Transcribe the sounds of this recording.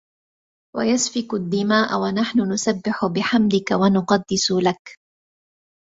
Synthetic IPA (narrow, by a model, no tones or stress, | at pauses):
wa̰jasfɪkʊd̪ːɪmaːʔa̰wanaħnʊnʊsabːɪħʊbɪħamd̪ɪkawanʊqɑd̪ːɪsʊlak